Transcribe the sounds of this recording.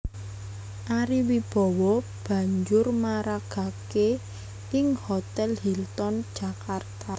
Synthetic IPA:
ʔaɾiwib̥ɔ̤wɔ | b̥ä̤ɲd͡ʒʊrmaɾaɡ̥a̤ke | ɪŋhot̪ɛlhilt̪ɔnd̥ʒ̥a̤kart̪as

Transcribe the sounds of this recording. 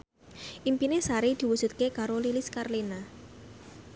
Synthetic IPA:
ʔimpinesaɾid̪̥i̤wusut̪̚kekaɾoliliskarlina

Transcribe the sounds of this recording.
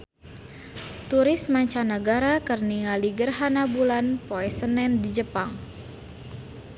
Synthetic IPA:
t̪uɾɪsmaɲt͡ʃanəɡaɾakərniŋaliɡərɦanabulanpoɛsənɛndid͡ʒəpaŋ

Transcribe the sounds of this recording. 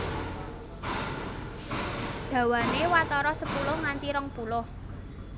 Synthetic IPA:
d̪̥ä̤wanewat̪ɔɾɔsəpulʊhŋant̪iɾɔŋpulʊh

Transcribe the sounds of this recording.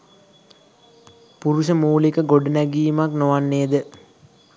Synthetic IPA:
puɾuʃəmuːlikəɡoɖənæɡiːmaknoʋanːejəd̪ə

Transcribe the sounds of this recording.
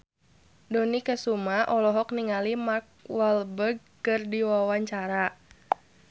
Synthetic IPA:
dɔnikəsumaʔɔlɔɦɔk̚niŋalimark̚walbəɡ̚kɨrdiwawaɲt͡ʃaɾa

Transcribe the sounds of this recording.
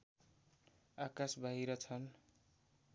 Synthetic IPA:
akasbʱaɦiɾʌt͡sʰʌn

